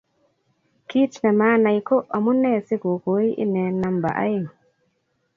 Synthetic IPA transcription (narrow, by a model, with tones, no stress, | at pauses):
ki˦t͡ʃna˨ma˦na˨jkɔ˦a˨mu˦nːɛ˦si˦ɡo˨ɡoji˦ʔḭ˦nɛ˨nːa˨mba̰˨ʔa̰˦j